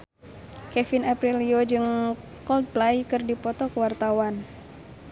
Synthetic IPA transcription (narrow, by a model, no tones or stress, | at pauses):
kɛfinapɾiliod͡ʒɨŋ | kɔlt̪̚plajkɨrdipɔt̪ɔkəwart̪awan